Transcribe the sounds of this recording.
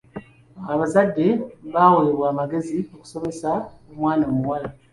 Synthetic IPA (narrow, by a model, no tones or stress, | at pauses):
aβazadːe̞βaːwoleβwaːmaɡe̞zioku̥so̞me̞saomwaːnamuwala